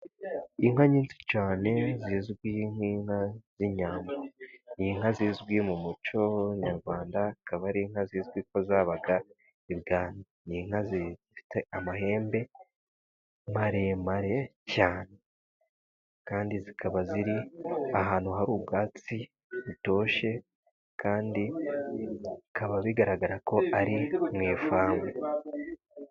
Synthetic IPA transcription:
iŋɦaɲiːnsi̥t͡ʃaːne̞zizɡwiŋ̥iːŋhaz̥iɲaːmbaniŋ̥aziːzɡwimumut͡ʃo̞ɲaɾɡwaːndakaβaɾiːŋ̥haziːzɡwiko̞zaːβaɡa | iɾɡaːnoniŋhazizifi̥teamahe̞ːmbe̞ | maɾemaɾe̞caːne̞ | kaːndizikʰaβaziɾiaɦaːnhuɦaɾuːbɡaːt͡si | βuto̞ːʃe̞ | kʰaːndi | kaβaβiɡaɾaɡaɾako̞aɾimŋeːfaːmɡe

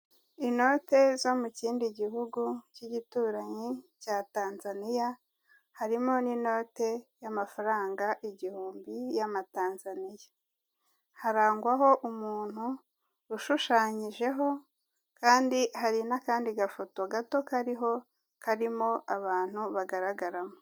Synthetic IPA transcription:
ino̞te̞zo̞muciːndiɟiɦuɡuciɟituːɾaɲicaːtaːnzanija | haɾimo̞nino̞ːte̞jamafaɾaːŋɡaʔiɟihuːmbijamataːnzanijḁ | haɾaːŋɡwaɦo̞ʔumuːn̥hu | ɾuʃuʃaːɲiʒe̞ɦo̞ | kaːndihaɾinakaːndiɡafoto̞ɡato̞kaɾiɦo̞ | kaɾimo̞ʔaβaːn̥uβaɡaɾaɡaɾamo

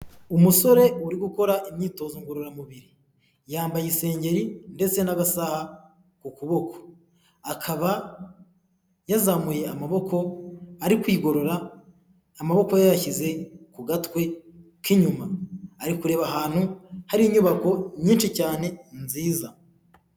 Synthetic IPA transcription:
umuso̞ɾe̞uɾiɡuko̞ɾaʔimɲiːto̞ːzoŋɡoɾoɾamuβiɾi | jaːmbajise̞ːɲɟe̞ɾinde̞t͡se̞naɡasaha | kukuβo̞kʰo̥ | akʰaβa | jazamuje̞amaβo̞kʰo̞aɾikwiːɡo̞ɾo̞ɾaː | maβo̞kojajaçize̞kuɡatwe̞ | kiɲumaːɾikuɾe̞ːβaɦaːn̥huhaɾiɲuβako̞ɲiːnʃicaːne̞nziːza

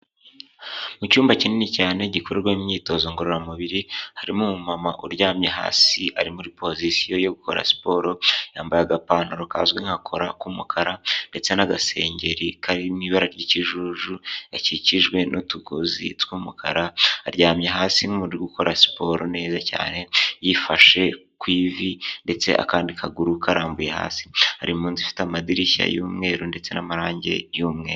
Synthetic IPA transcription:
mucuːmbacininicaːne̞ɟikoɾeɾwaimɲiːto̞zo̞ŋɡo̞ɾoɾamuβiɾihaɾimumumamaʔuɾɟaːmɲeɦa̰ːsiaɾimuɾipo̞zisijo̞jo̞ɡuko̞ɾa̰si̥po̞ɾo̞jaːmbajaɡapaːnoɾukaːzɡweŋ̥hakʰo̞ɾakumukʰaɾande̞t͡se̞naɡase̞ːɲɟe̞ɾikʰaɾimiβaɾaɾɟiciʒuʒuaciciʒɡwe̞notuɡozḭtwuːmukʰa̰ɾaːɾɟaːmɲeɦaːsiŋunɾɡuko̞ɾasi̥po̞ɾone̞ːzaca̰ːne̞jifaʃe̞ | kwiːvinde̞t͡se̞̰ʔa̰kaːndikʰaɡuɾukʰaɾaːmbujeha̰ːsi̥ha̰ɾimuːnzifi̥tamadiɾiça̰juːmŋe̞ːɾonde̞t͡se̞namaɾaːɲɟe̞̰juːmŋe̞ːɾo

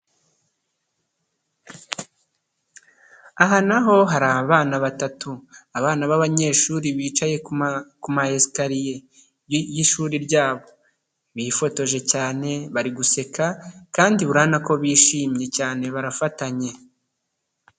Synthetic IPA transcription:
aɦanaɦo̞ɦaɾaːβaːnaβatatuaβaːnaβaβaɲe̞ːʃuːɾiβiːt͡ʃaje̞kumaeskaɾije | jiʃuːɾiɾɟaːβo̞ | βiːfo̞to̞ʒe̞caːne̞βaɾiɡuse̞kakaːndiβuɾaːnako̞βiːʃiːmɲe̞caːne̞βaɾafataɲe̞

